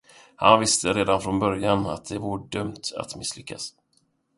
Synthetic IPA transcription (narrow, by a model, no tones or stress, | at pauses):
ha̰nvɪst̪ʰəɾeːd̪anfɾɔnbœɾjana̰t̪̚d̪ɛvuɖœmt̪a̰t̪mɪsːlʏkːa̰s